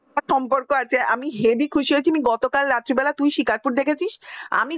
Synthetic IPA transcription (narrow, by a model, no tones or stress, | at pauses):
ɔmpoɾkoat͡ɕʰeʔamiɦebikʰuʃiet͡ɕʰiamiɡɔt̪okalɾat̪ːɾibɛlat̪ujʃikaɾpuɾd̪ekʰet͡ɕʰiʃa̰mi